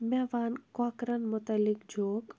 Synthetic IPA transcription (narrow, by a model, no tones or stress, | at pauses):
mɛːʋaːnkaːkɾənmʊt̪əlɪkd͡ʒʱoːk